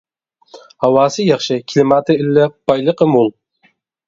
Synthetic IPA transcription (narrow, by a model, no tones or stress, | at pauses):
hɑwɑːsɨjɑχʃɪkʲʰlɪmɑt̪ʰɪɪlːɪb̥ɑjlˠəqəmulˠ